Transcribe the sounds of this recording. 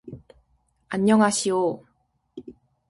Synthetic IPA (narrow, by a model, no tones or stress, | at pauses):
aɲːʌŋɦaɕʰio